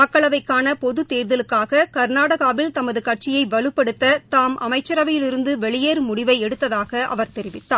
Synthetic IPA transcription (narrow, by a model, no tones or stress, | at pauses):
mɐkːɐɭɐʋɐɪkːaːnɐpɔðɯt̪eːɾðɐlɯkːaːɣɐkɐɾnaːɽɐɣaːbɪlt̪ɐmɐðɯkɐʈ̚t͡ʃɪjɐɪʋɐɭɯpːɛɽɯt̪ːɐt̪aːmɐ̰mɐɪt͡ʃːɐɾɐʋɐjɪlɪɾɯnd̪ɯʋɛɭɪjeːɾɯmʊɽɪʋɐɪɛɽɯt̪ːɐðaːɣɐʔɐ̰ʋɐɾt̪ɛɾɪʋɪt̪ːaː